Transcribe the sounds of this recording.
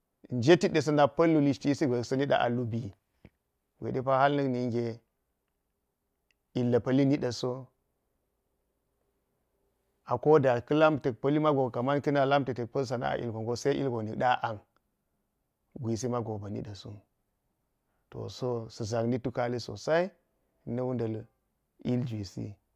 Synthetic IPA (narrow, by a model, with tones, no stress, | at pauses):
n˦d͡ʒe˦ti˦ɗe˨s̬ɐ˦na˨pɐ˦lːu˦li˦ʃti˦si˦ɡʷe˨kso˦ni˦ɗa̰˨ʔa̰˨lu˦bi˨ | ɡʷḛ˨de˦pa˦ha˦lnə˦kni˨ŋɡʲe˨ | i˨lːɐ˨pɐ˦li˦ni˦ɗa˨so˦ | a˨ko˦da˨kɨ˦la˦mte˨k̚pɐ˦li˦ma˦ɡo˨ka˨ma˦nki˦na˨la˦mte˨te˨k̚pɐ˦ls̬a˨na̰˦a̰˨ʔḭ˨lɡo˨ŋɡo˦sa˦ʔḭ˦lɡo˨ni˨kɗa˦ʔa˨ŋ | ɡʷi˨s̬i˦ma˦ɡo˨ba˨nḭ˦ɗa˨so̰˦ | to̰˨so˦si˨za˨kni˦tu˦ka˦li˦so̰˨sa˦i˦ | nɐ˦wu˦nda˨l | i˦ld͡ʒi˨sḭ˦